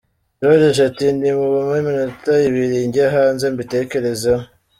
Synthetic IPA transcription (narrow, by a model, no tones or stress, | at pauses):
ɾodeʃatindimuβumeminotajiβiɾiɲɟaɦaːnzembite̞ke̞ɾeza